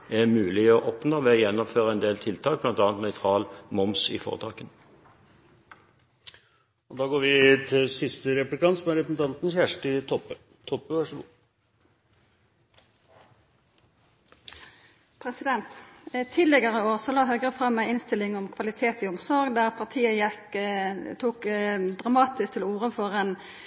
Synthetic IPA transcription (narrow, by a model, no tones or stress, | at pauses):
ɛʁmʉːlɪɔʔɔpnoːʋɛːɔjɛnːɔmføːʁəɛnd̪eːlt̪ʰɪlt̪ʰɑːk̚blɑnt̪ɑːnt̪nœʏt̪ʰʁɑːlmɔmsɪ̰fɔ̰ːʁət̪ʰɑ̰ːkən | ɔd̪ɑːɡoːɾʋɪt̪ʰɪlsɪst̪əɾɛplɪkʰɑnt̪sɔmæɾɛpɾəsn̩t̪ɑnt̪n̩çæʂʈɪt̪ʰɔpːə | t̪ʰɔpːəʋɑʂəɡṵː | pʰɾɛsɪd̪ɛnt̪t̪ʰiːlɛɡəʁəoːʁsɔlɑːɦœɡəʁəfʁɑmːæɪɪnst̪ɪlɪŋɔmkʰʋɑlɪt̪ʰeːt̪ɪɔmsɔɾɡd̪æʁpʰɑʁt̪ʰiːəjɛk | t̪ʰuːkd̪ʁɑmɑːt̪ɪsk̚t̪ʰɪluːʁəfɔʁeːn